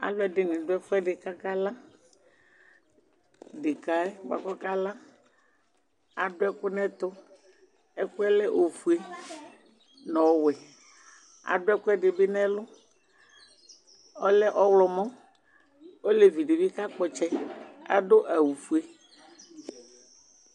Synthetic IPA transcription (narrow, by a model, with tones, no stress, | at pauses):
a̰˨lʊ˦ɛ˦ɖɪ˨nɪ̃˨ɖʊ˦ɛ˦fɛ˦ɖɪ˨ka˦ka˦lã˦ | ɖɪ˨ka˦ɛ˦wa̰˨kɔ˦ka˦lã˦ | a˨ɖʊ˦ɛ˦kʊ˦nɛ̃˦t̪ʊ˦ | ɛ˦kʊ˦ɛ˦lɛ˦ʔo˨fu˨˦e˦ | nɔ̃˨˦wɛ˨ | a̰˨ɖʊ˦ɛ˦kʊ˦ɛ˦ɖe˨be˦nɛ̃˦lʊ˦ | ɔ˦lɛ˦ʔɔ˦wlɔ˨mɔ̃˦ | o˦le˨vi˨ɖe˨vi˦ka˦k͡pɔ˨t͡ʃɛ˦a̰˨ɖo˦ʔa˨wu˨fu˨e˦